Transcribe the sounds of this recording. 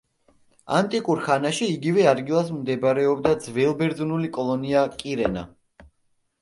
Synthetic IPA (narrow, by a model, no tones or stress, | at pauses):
a̰nt̪ʼikʼuɾχanaʃiːɡivɛad̪ɡilˠas̬md̪ɛbaɾɛɔbd̪ad̪zvɛlˠbɛɾd̪zunulikʼɔlˠɔniakʼiɾɛna̰